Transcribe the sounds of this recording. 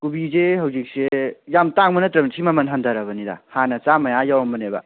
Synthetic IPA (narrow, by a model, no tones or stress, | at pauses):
kubizehɐwzik̚sejamtaŋmɐnɐtɾɐmnsʰimamɐnɦandɐɾɐbɐnida̰hanɐt͡ʃamajajawamɐnebɐ̰